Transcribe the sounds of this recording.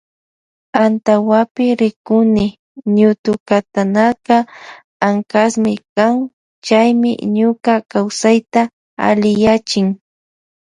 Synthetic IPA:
ant̪awapɪɾɪkʊnɪ | ɲʊt̪ʊkat̪anaka | aŋkasmɪkaŋ | t͡ʃajmɪ̰ɲʊkakawsajt̪a | a̰lɪjat͡ʃɪŋ

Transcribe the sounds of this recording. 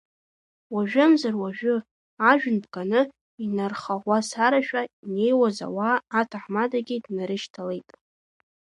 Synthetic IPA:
waʒᶣʊmzarwaʒᶣʊ | aʒᶣʊnbɡʼanɨ | inarχaʁʷasaɾaʃᶣaine̞jwaza̰waːtʰaħmadaɡʲɪdnaɾɨʃtʰale̞jtʼ

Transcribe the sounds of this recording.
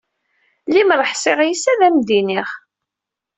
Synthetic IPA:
limɾˤəħsɪʁjisæðæmd̪iniχ

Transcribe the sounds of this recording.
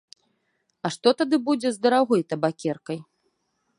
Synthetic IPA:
ɐʂt̪ɔt̪ad̪ɨbud͡zʲɛzd̪ɐɾaɣɔjt̪ɐbakʲɛrkɐj

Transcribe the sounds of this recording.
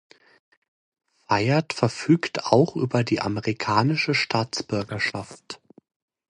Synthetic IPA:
faɪɐtfɛɐfyːkta̰ʊxʔyːbɐdiːʔa̰məʁikʰaːnɪʃəʃtʰaːt͡sb̥ʏɐɡɐʃaft

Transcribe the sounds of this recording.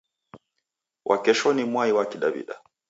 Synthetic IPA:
wʔakɛʃɔnimwaiwakiɗabḭɗa̰

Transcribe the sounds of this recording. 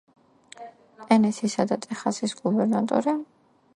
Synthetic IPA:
pʼɛnɛt̪sʰisad̪at̪ʼɛχasisɡubɛɾnat̪ʼɔ̰ɾi

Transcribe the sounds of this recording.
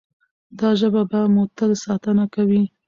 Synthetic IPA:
d̪ɑʒəbabamot̪ad̪sɑt̪ənakawi

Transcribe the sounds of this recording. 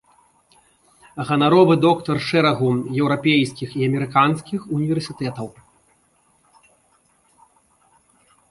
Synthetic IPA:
ɣɐnaɾɔvɨd̪ɔkt̪ɐrʂɛɾɐɣujɛwɾapʲejskʲixiɐmʲɛɾɨkanskʲixunʲivʲɛrsʲit̪ɛt̪ɐw

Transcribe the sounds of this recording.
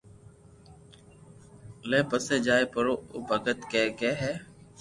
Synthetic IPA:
lẽːpəsẽːd͡ʒaːeːpəɾoːobəkət̪kɛːkɛːɦɛː

